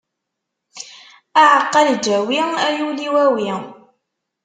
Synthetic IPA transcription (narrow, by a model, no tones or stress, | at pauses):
aʕəqːɑld͡ʒæwiæjuliwæwi